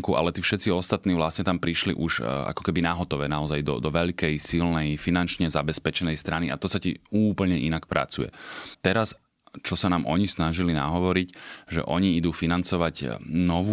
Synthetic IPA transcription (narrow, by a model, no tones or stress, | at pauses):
ŋkuʔa̰lɛt̪iːfʃɛt̪t͡siɔst̪at̪niːʋlast̪ɲɛt̪ampɾiʃlḭʔuʒa̰kɔ̥kɛbinaɦɔt̪ɔʋɛːnaɔzajd̪ɔ̰d̪ɔʋɛʎkɛjsilnɛjfinant͡ʃɲɛzabɛspɛt͡ʃɛnɛjst̪ɾaniʔa̰t̪ɔsacḭuːpl̩ɲɛʔinakpɾʔa̰t͡sujɛ̰t̪ɛɾas | t͡ʃɔsanaːmʔɔ̰ɲisnaʒilina̰ɦɔʋɔɾicʒɛ̰ʔɔɲiid̪uːfinant͡sɔʋaɟnɔʋu